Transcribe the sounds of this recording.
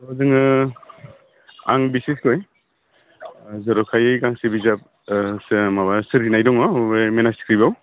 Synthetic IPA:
zɯŋɯ | a̰ŋbisiskʰɔj | zɔɾɔkʰajɯjɡaŋsebizap̚ | smabasɯɾinajdɔŋɔbjmenasi̥kʰɾibaw

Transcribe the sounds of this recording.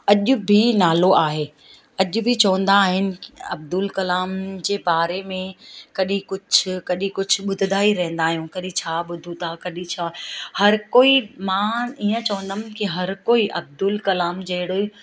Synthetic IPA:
ɐʄʊ̆bʱinaːloʔaːɦeː | ɐʄʊ̆bʱit͡ɕɐʋə̃nd̪aːɦɪnɪ̆ɐ̰b̚d̪ʊlkɐlaːmd͡ʑeːbaːɾemẽkɐɗĩkʊd͡ʑʰʊ̆kɐɗĩkʊd͡ʑʱʰʊ̆ɓʊd̪ʱɪd̪ʱaːiɾɐɦɪ̃nd̪aːɦijũkɐɗĩt͡ɕʰaːɓʊd̪ʱũt̪ʰakɐɗĩt͡ɕʰaːhɐɾkoːimãːiːə̃t͡ɕɐʋə̃nd̪əmkiɦɐɾkoːiʔɐb̚d̪ʊlkɐlaːmd͡ʑɐɦɪɽoi

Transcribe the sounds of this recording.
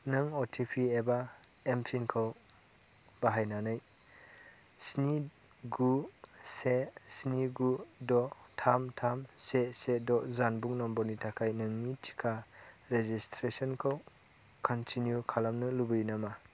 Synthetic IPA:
nɯŋɔtʰipʰieba | empʰinkʰaw | baɦajnanɯj | sni | ɡusesniɡudɔ | tʰamtʰamsesedɔzanbuŋnɔmbɔnitʰakʰajnɯŋnitʰi̥kʰa | ɾezistʰɾesɔnkʰaw | kʰɔntʰinjukʰalamnɯlubɯjnama

